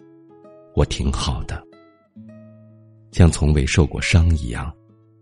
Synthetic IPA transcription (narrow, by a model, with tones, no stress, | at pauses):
wɔ˨˩t̪ʰi˧˥ŋxɑ˨˩ʊd̪̥ə˦ | ɕjɑ˥˩ŋt͡sʰʊ˧˥ŋwe˧˥ɪʂo˥˧ʊkwɔ̰˥˩ʂɑ˥ŋḭ˧˥jɑ̰˥˩ŋ